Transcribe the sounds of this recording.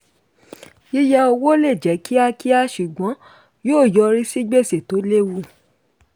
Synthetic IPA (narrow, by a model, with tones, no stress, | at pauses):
i˦ja˧o˧wo˦le˦˨d͡ʒɛ˨˦ki˦a˧ki˦a˧ʃu˨ɡ͡bɔ̃˨˦ | joː˦˨jɔ˧ɾi˦si˦ɡ͡be˦˨se˨to˨˦le˦˨wu˧˨